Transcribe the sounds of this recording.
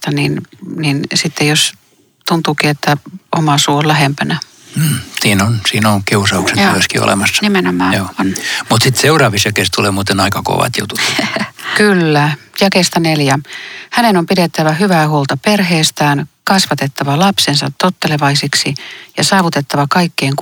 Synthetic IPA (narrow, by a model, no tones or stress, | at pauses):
t̪ɑninninsit̪ːejos | t̪unt̪uːkiet̪ːæomɑsuːolæhempænæ | m̩ːsiːnonsiːnoŋkiusɑuksetyʋøskḭo̰lḛmɑsːɑ̥nimenomɑːoːonmut̪sit̪seurɑːʋisjɑkeːˑst̪uleːmuːt̪enɑikɑko̰ʋɑ̰t̪jṵt̪ut̪kylːæ | jɑkest̪ɑneljæhænenompiɾet̪ːæʋæhyʋæhuːlt̪ɑperheːst̪æːnkɑsʋɑt̪et̪ːɑʋɑlɑpsensɑt̪tot̪ːeleʋɑisiksijɑsɑːʋut̪et̪ːɑʋɑkɑikːeːŋk